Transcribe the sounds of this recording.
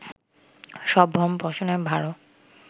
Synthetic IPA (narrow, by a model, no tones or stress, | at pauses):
ʃɔbʱɾɔmpɔʃonebʱaɹo